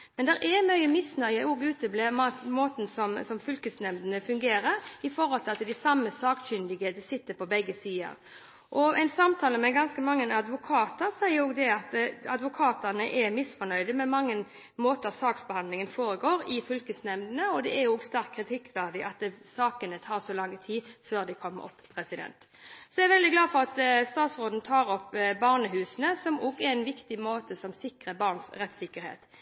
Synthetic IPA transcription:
mɛnd̪ɛɾʔɛmœʏəmɪsnœʏəoɡʉːt̪əbleːmɑmoːt̪nsɔmsɔmfʏlkəsnɛmd̪ənəfʉŋɡeːɾəɾɪfɔɾɔlt̪ʰɪlɑt̪ɪld̪æsɑmːəsɑːkçʏnd̪ɪɡəd̪ɛsɪt̪ːəpɔbɛɡːəsiːə̰ɾ | ʔɔɛɪnsɑmt̪ʰɑːləmɛɡɑnskəmɑŋːənɑd̪ʋʊkʰɑːt̪əɾsæɪəɾoːɡd̪ɛɑt̪ɑd̪ʋʊkʰɑːt̪ənəʔɛmɪsfɔnœʏd̪əmɛmɑŋːən | moːt̪əsɑːksbɛhɑnlɪŋənfoːɾəɡoːɾɪfʏlkəsnɛmnənəɔd̪ɛæɾjʊɡst̪æɾkʰːɾɪt̪ʰɪkːʋæʁd̪ɪʔɑt̪̚d̪ɛsɑːkənət̪ʰɑːʁsɔlɑŋːət̪ʰiːføːʁd̪æɪkʰɔmːə̰ɾɔ̰pːpʰːɾɛsɪd̪ɛ̰nt̪ | sɔæʋɛld̪ɪɡlɑːfɔɾɑt̪st̪ɑːt̪sʁoːd̪n̩t̪ʰɑːɾɔpːbɑʁnəɦʉːsənəsɔmɔɡɛɛnʋɪkt̪ɪmoːt̪əsɔmsɪkɾəbɑʁnsɾɛt̪ːsɪkːəɾhḛːt̪

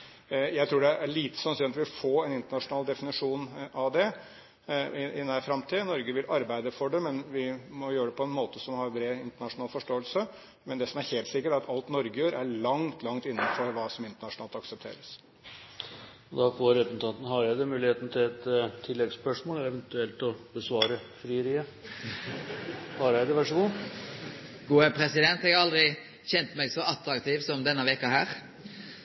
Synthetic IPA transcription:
jæɪt̪ʰɾuːɖɛæʔæɭiːt̪ə̥sɑnsyːnɑt̪ʋɪʋɪlfoːɛnɪnt̪əɳɑʂʊnɑːld̪ɛfɪnɪʂuːnʔɑʋd̪ɛ | ʔɪnæfɾɑmt̪ʰiːnɔɾɡəʋɪlʔɑɾbæɪd̪əfɔɖɛmɛnʋɪmɔjøːəɖɛpʰɔɛnmoːt̪əsɔmhɑɾbɾeːɪnt̪əɳɑʂʊnɑːlfɔʂʈoːəlsə | mɛnd̪ɛsɔmæɾheːlt̪sɪkːəʈæɾɑt̪ʰɑlt̪nɔɾɡəjøːɾʔæɭɑŋt̪ʰlɑŋt̪ɪnːənfɔɾʋɑːsɔmɪnt̪əɳɑʂnɑːlt̪ɑksəpt̪ʰḛːɾəs | ɔd̪ɑfoːɾɛt̪nt̪ʰɑːt̪ən̩ɦɑɾjæɪd̪ɛmʉːlɪheːt̪ənət̪ʰɪlɛt̪t̪ʰːɪlːɛɡspœʂmoːlɛɛʋɛnt̪ʉɛlt̪ɔbəsʋɑːɾəfɾiːəɾiːə | pɑːɾjæɪd̪ɛʋæʂəɡu | ɡuːəpʰɾɛsɪd̪ɛnt̪ɛɡɑɾɑld̪ʁɪ | çɛnt̪mɛɡsɔɑt̪ɾɑkt̪ʰiːʋsɔmd̪ɛnːəʋɛkːɑhæːɾ

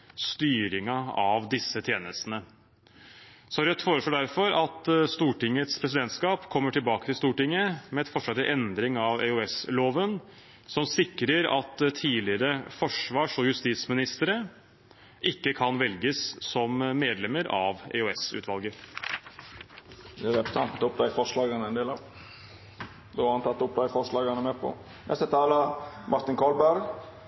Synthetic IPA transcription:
st̪yːɾɪŋɑɑʋd̪ɪsːət̪ʰjeːnəst̪ənə | sɔæɾɛt̪ːfoːɾəʂloːɖæɾfɔɾɑt̪st̪uːʈɪŋːət̪spʰɾɛs̬ɪd̪ɛnt̪skɑːpkʰɔmːəʈʰɪlbɑːkət̪ʰɪlst̪uːʈɪŋːəmɛɛt̪fɔʂɑt̪ːɪʔɛnd̪ɾɪŋɑʋɛ̰ʉɛsloːʋən | sɔmsɪkɾəɾɑ̰t̪t̪ʰiːlɪɾəfɔʂʋɑːʂɔjʉst̪iːt̪smɪnɪst̪əɾə | ʔɪkːəkʰɑnʋɛlɡəssɔmːeːd̪lɛməɾɑʋɛ̰ʉɛsʉ̰t̪ʋɑlɡəɾ | d̪ɛæɾɛpɾə̥sʰɑnt̪ːʊp̚d̪æɪfɔʂlɑːɡənəɛnd̪eːlɑʋ | d̪ohɑɾhɑnt̪ʰɑt̪ːʊp̚d̪æɪfɔʂlɑːɡənəmepʰɔ̰ | nʔɛst̪ət̪ʰɑːləmʔɑɾt̪ɪnkʰɑlbæɾɡ

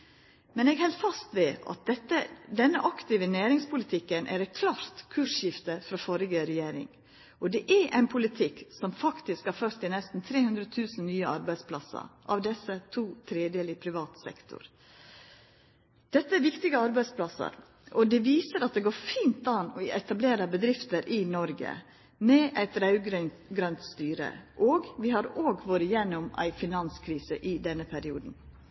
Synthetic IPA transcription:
mɛnɛːɡhɛlt̪fɑst̪ʋɛɑ̰t̪̚d̪ɛt̪ːəd̪ɛnːəʔɑkt̪ɪʋənæːɾɪŋspʰʊlɪt̪ʰɪkːənʔæ̰ɾɛɪt̪̚kʰlɑːɾt̪kʰʉːʂjɪft̪əfɾɑfɔɾɪɡəɾɛjeːɾɪ̰ŋ | ʔɔd̪ɛʔæɾʔæ̰ɪnpʰʊlɪt̪ʰɪksɔmfɑkt̪ɪskhɑɾfœɾt̪ːɪlnɛst̪n̩t̪ʰɾeːhʉnd̪ɾət̪ʰʉːsn̩nyːəɑɾbæɪspʰlɑ̰sə̰ɾʔɑ̰ʋd̪ɛsːət̪ʰuːt̪ʰɾeːd̪jəlɪpʰɾɪʋɑːt̪sɛ̰kt̪ʊ̰ɾ | d̪̥ɛt̪ːəæɾʋɪkt̪ɪɡəɑɾbæɪspʰlɑsə̰ɾ | ʔɔd̪ɛʋiːsəɾɑt̪̚d̪ɛɡoːɾfiːnt̪ɑnɔɛt̪ɑbleːɾəbəd̪ɾɪft̪əɾʔɪnɔɾɡə̰ | mɛʔæɪt̪ɾɑʉɡɾn | ɡɾœnt̪st̪yːɾə̰ʔoːɡʋɪhɑɾoːɡʋoːɾəjɛnːʊmæ̰ɪfɪnɑnskʰɾiːsəʔɪd̪ɛnːəpʰæɾɪuːd̪n̩

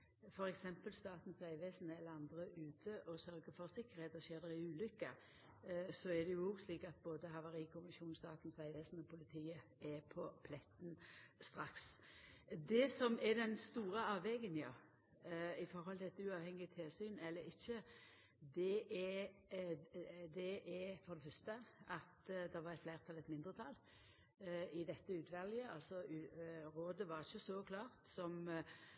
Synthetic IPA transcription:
fɔɾɛksɛmpəlst̪ɑːt̪n̩sæɪʋeːsnəɛlːəɾɑnd̪ɾəʔʉːt̪ʰəʔɔsœɾɡəfɔɾsɪkːəɾheːt̪ɔʃeːd̪ɛɾɪʉːlʏkːə | sɔɛd̪ɛjʊuːɡsliːkɑt̪̚boːd̪əɦɑʋɑɾiːkʰʊmɪʃuːnst̪ɑːt̪n̩sæɪʋeːsn̩ɔpʊlɪt̪ʰiːə | ɛpʰɔpʰlɛt̪ːn̩st̪ɾɑks | d̪ɛsɔmɛd̪ɛnst̪uːɾəɑːʋɛɡənjɑ | ɪfɔɾhɔlt̪ʰɪlɛt̪ʉɑːʋhɛŋːɪət̪ʰɪlsyːnɛlːəɾɪçːə | d̪ɛʔɛ | d̪ɛʔɛfɔɾd̪ɛfœst̪əɑt̪d̪ɛʋɑɾɛt̪flæːʁt̪ʰɑlət̪mɪnd̪ʁət̪ʰɑlː | ɪd̪ɛt̪ːəʉːt̪ʰʋɛljəɑlsɔʉɾoːd̪əʋɑɾɪçəsɔkʰlɑːɾt̪sɔm

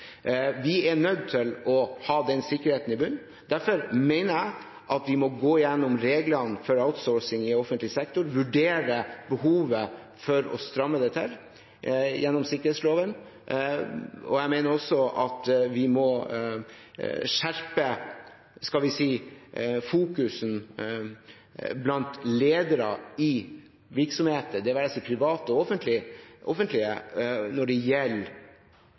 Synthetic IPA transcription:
ʋɪɛɳœd̪̚t̪ʰɪlɔhɑːd̪ɛnsɪkːəɾheːt̪n̩ɪbʉnː | d̪æɾfɔɾmeɪnəɾæɪ | ʔɑt̪ʋɪmɔɡoːɪjɛnːʊmɾeːɡlənfɔɾaʊt̪sɔːɹsɪŋɪɔfənt̪lɪsɛk̚t̪ʊɾʋʉɖeːɾəbəhuːʋə | fɔɾɔ̰st̪ɾɑmːəd̪ɛt̪ʰɪl | jɛnːɔmsɪkəɾheːt̪sloːʋən | ɔ̰jæɪmeɪnəɾɔsːɔʔɑt̪ʋɪmɔ | ʂæɾpə | skɑlʋɪsiː | fuːkʉsn | blɑnt̪leːd̪əɾəɪ | ʋɪɾksɔmheːt̪əd̪ɛʋæɾɛsiːpʰɾɪʋɑːt̪əɔfənt̪ʰlɪʔɔfənt̪lɪənɔɖɛjɛlː

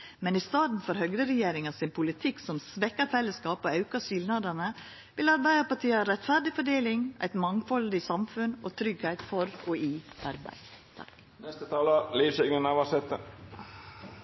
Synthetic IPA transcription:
mɛnɪst̪ɑːd̪n̩fɔɾhœɡɾəɾɛjeːɾɪŋɑsɪnpʰʊlɪt̪ʰɪksɔmsʋɛkːəɾfɛlːəskɑːpɔɑʉkɑʃɪlnɑd̪ɑnə | ʋɪlɑɾbæɪd̪əpɑʈʰiːɑɾɛt̪fæɾɖɪfɔɖeːlɪŋæ̰ɪt̪mɑŋfɔld̪ɪsɑmfʉnot̪ʰɾʏɡhæɪt̪fɔɾɔiʔɑɾbæ̰ɪ | t̪ʰɑ̰k | nɛst̪ət̪ʰɑːləliːʋsœɡnənɑʋɑsɛt̪ə

